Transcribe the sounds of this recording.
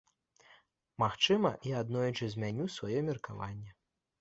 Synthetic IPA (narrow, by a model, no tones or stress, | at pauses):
maxt͡ʂɨmɐ̰iad̪nɔjut͡ʂɨzʲmʲanʲusvajɔmʲirkava̰nʲːɛ